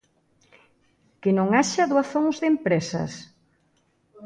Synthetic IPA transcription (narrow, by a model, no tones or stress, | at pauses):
kɪnõŋaʃaðwaθoŋzðempɾesɐ̰s